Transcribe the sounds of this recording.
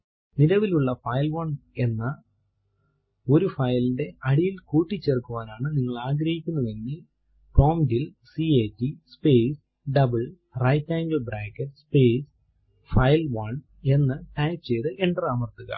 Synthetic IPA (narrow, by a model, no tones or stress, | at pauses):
niɾɐʋiluɭːɐfɐjlʋɐɳe̞nːɐ | o̞ɾufɐjlinde̞ɐɽijilkuːʈːit͡ɕːerkːuʋaːnaːɳɨniŋːɐɭaːɡɾɐhikʲːunːɐðenːi | pro̞ːmdilsieːtːispeːs | ɖɐbɨɭ | rɐjtːaːɲd͡ʑobɾaːkːɐʈspeːs | fɐjlʋɐɳ | e̞nːɨʈɐjpt͡ɕe̞jt̪ɨʔeɳɖɐraːmɐrt̪ːuɣɐ̰